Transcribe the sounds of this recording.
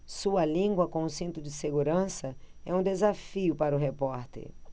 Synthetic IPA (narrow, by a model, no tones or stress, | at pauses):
suɐlĩŋɡwɐkõũsĩnt̪ʊd͡ʒɪseɡuɾɐ̃sɐ | ɛũd̪ezafiʊpaɾʊɦepɔɾt̪ḛɾ